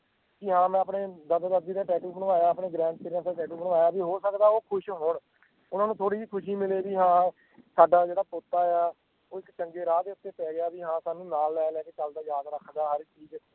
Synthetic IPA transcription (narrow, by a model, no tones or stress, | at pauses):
kɪɦãːmɛ̃ːəpneːd̪əd̪d̪əd̪iːd̪aːʈɛːʈuːbənʋaːjaːpɳeːɡɾɛ̃ːɳʈ̚t͡ʃɪɾɪjə̃ːsd̪aːʈɛːʈuːbənʋaːjaːbiːɦoːsəkd̪aːoːkʰʊʃɦoːɳ | ʊnãːnũːt̪ʰoːɽiːiːkʰʊʃiːmɪleːbiːɦãː | saːɖaːd͡ʒeːɽaːpoːt̪ːaːjaː | oːɪkt͡ʃəŋɡeːɾaːd̪eːʊt̪ːeːpɛːɡɪjaːbiːɦãːsaːnũːnaːlːɛːlɛːkeːt͡ʃəld̪aːjaːd̪ɾəkʰːd̪aːɦəɾt͡ʃiːd͡ʒ